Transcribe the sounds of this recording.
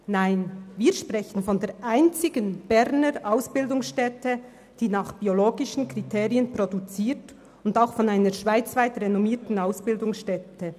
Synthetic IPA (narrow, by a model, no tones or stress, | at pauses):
naɪnviːɐʃpʁɛçən̩fɔndeːʔaɪnt͡sɪɡənb̥ɛʁnəɾʔaʊsb̥ɪldʊŋsʃtɛtʰə | d̥iːnaːχb̥ioloːɡɪʃn̩kritʰeːʁiənprodut͡siːt | ʊndaʊxfɔnaɪnəɾʃv̥aɪt͡svaɪtʁɛnɔmiːtn̩aʊsb̥ɪldʊŋsʃtɛtə